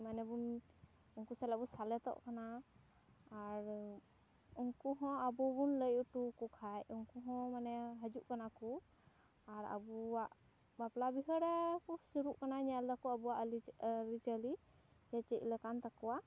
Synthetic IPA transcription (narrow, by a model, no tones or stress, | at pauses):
manɛbun | uŋkusɛlabusalɛt̪ɔ̰ʔkanaː | ɾ | uŋkuɦɔ̃abubunləjuʈukukʰajuŋkuɦɔ̃manɛɦəd͡ʒuʔkanaku | aɾa̰buwaʔ | baplabiɦəɾɛkusuɾuʔkanaɲald̪akɔabuwaʔliɾid͡ʒəli | d͡ʒɛt͡ʃəc̚ləkant̪akɔwa